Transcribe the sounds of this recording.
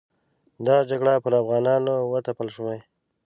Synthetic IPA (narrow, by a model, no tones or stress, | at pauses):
d̪ɑd͡ʒaɡɽapəɾafɣɑnɑnowət̪apəlʂəmaj